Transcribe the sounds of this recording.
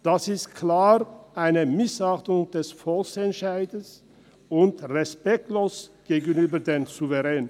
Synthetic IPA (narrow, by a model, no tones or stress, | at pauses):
d̥asɪstkʰlaːʁʔaɪnəmɪsaχtʊŋd̥ɛsfɔlksɛntʃaɪdəs | ʊntʁɛspɛk̚tloːsɡ̥eːɡənyːbɐdeːmzuvɛʁɛːnə